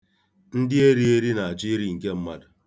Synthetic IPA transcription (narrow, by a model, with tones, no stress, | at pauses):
n̩˦dɪ˦e˦ɾi˦e˦ɾi˦na˨d͡ʒi˦ɾi˨ŋ̩˨ke˦m̩˦ma˦dʊ˨